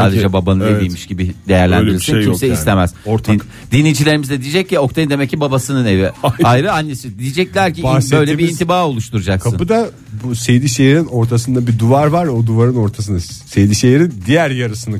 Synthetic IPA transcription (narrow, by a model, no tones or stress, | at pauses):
saːd̪ed͡ʒɛbabanɯed̪ijmmiʃɟibid̪e̞jæɾlʲænd̪iɾisinʃimsɛislʲemæz̥oɾt̪i | d̪inijd͡ʒilʲe̞ɾimizd̪ɛd̪ijd͡ʒɛclʲɛo̞k̚t̪ʰajɯnd̪emɛcːibabasɯnɯneviajɾɯanːesɯd̪ijid͡ʒɛc̚lʲæɾcibsbø̞jlʲebiint̪ʰibaːo̞lˠuʃt̪ʰuɾud͡ʒak̚sɯnbud̪a | busejd̪iʃejeɾino̞ɾt̪ʰas̬ɯnd̪abid̪uvaɾvaɾod̪uvaɾɯno̞ɾt̪ʰas̬ɯnɯsejd̪iʃejeɾind̪ijæɾjaɾɯsɯnɯ